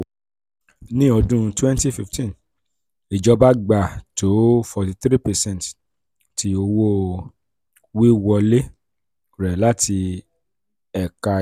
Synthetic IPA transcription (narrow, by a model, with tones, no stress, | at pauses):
nĩ˦ɔ˧dũ˦twɛ̃˦nti˦fi˧˨ftĩ˦˨n | i˨d͡ʒɔ˧˦ba˦ɡ͡ba˨to˨˦fɔ˧ti˧t̪ɾi˦pɛ˨sɛ̃˦˨t | ti˧o˧wo˦ | wi˦wɔ˧le˦ | ɾɛ˨la˦ti˧ | ɛ˨ka˧